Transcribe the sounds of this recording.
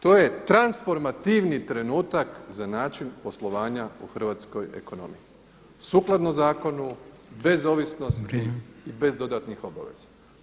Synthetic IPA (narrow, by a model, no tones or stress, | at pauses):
t̪o̞ːje̞t̪ɾansfo̞ɾmat̪iʋnit̪ɾe̞nuːt̪akzanaːt͡ʃinpo̞slˠo̞ʋaːɲauxrʋaːt̪sko̞je̞̰ko̞no̞̰mḭi | suːklˠad̪nozaːko̞nu | be̞zo̞ʋisno̞st̪iibe̞zd̪o̞d̪at̪nixo̞ba̰ʋe̞̰z̥a